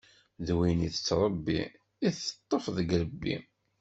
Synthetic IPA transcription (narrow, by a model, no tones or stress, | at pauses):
ðwiniθət͡sːɾˤəbːḭ | iθə̥t̪ˤːəfðəɡɾəbːḭ